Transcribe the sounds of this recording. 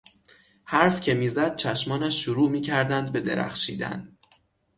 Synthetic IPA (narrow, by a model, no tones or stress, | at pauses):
hæɾfcʰe̞miːzæd̪̥̚t͡ʃʰæʃmɒːnæʃːuɾuːmiːcʰæɾd̪ænd̪be̞d̪e̞̰ɾæ̰xʃiːd̪æ̰n